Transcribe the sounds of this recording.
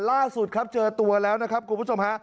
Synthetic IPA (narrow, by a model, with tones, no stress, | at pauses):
laː˥˩su˨˩t̪̚kʰa˦˥p̚t͡ɕɤː˧t̪u˧ɐlɛː˦˥wna˦˥kʰa˦˥p̚kʰu˧npːʰo˧mha˦˥ʔ